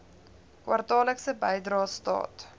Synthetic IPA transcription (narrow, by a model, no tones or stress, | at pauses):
kwɐrtɑːləksəbəjdrɑːstɑ̰ːt